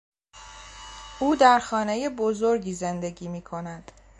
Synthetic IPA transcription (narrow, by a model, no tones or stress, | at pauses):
uːd̪æɾxɒːne̞je̞bo̞zo̞ɾɟiːze̞nd̪e̞ɟiːmiːkʰo̞næd̪̥